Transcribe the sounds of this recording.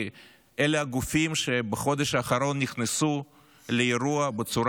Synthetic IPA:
ʔeleaɡufimʃebeχo̞d̪eʃaːχaɾo̞nːiχnesu | lejiɾuɐbet͡suɾ

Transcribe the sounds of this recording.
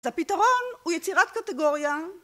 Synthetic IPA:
zapitaʁo̞nujet͡siʁat̪̚kateɡo̞ʁja

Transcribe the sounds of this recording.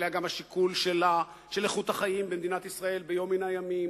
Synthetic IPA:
leaɡamhaʃikulʃela | ʃeleχut̪aχaimbemed̪inat̪isʁae̞lbejo̞minajamim

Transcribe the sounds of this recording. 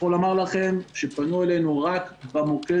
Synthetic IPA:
olamaʁlaχemʃepanuele̞jnuʁakbamoke

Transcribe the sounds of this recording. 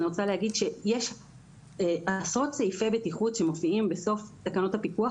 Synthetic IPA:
niʁo̞t͡salehaɡid̪ʃe̞jeʃ | eʔasotseife̞betiχutʃe̞mo̞fiimbeso̞ftakano̞thapikua

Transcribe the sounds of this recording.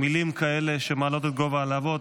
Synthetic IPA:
milimkaele̞ʃemaːlo̞t̪et̪̚ɡo̞vaːlavo̞t̪

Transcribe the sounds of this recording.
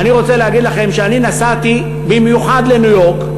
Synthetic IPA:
aniʁo̞t͡se̞leɦaɡid̪laχe̞mʃeaninasat̪i | bimjuħad̪le̞nujo̞ʁk

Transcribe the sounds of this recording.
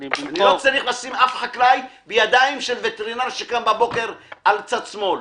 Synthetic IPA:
anilo̞t͡saʁiχlasimafχaklajbejad̪aimʃe̞lvet̪eʁinaʁʃekambabo̞ke̞ʁalt͡sad̪smo̞l

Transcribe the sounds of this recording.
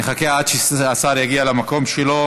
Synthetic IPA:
eχakeaad̪ʃeasaʁjaɡialamako̞mʃelo̞

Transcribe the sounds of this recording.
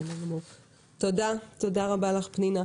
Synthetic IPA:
nalmo | t̪odat̪odaʁabalaχpnina

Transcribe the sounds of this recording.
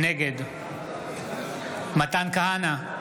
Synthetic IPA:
neɡeːd̪u | mɐt̪aːnkɐɦana

